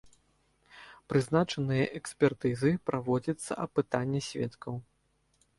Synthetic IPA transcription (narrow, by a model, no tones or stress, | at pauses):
pɾɨzn̪at͡ʂɐnɨjɐʔɛksʲpʲɛrt̪ɨzɨpɾʔavɔd͡zʲɐt̪sːɐ̰ʔɐpɨt̪anʲːɐsʲvʲɛ̰t̪kɐw